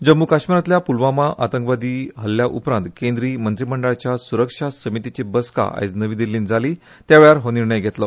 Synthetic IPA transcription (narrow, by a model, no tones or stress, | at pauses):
d͡ʑəmːukaʂmiɾat̪ljapulʋãmaʔat̪əŋkʋad̪iːɦəlːjaʔupɾãnt̪kẽnd̪ɾiːmənt̪ɾiməɳɖəɭt͡ɕjasuɾəkʂasəmit̪it͡ɕebəska̰a̰jt͡snəʋid̪ilːiːnd͡zʱali | t̪jaʋeɭaɾɦoniɾɳəjɡʱet̪lə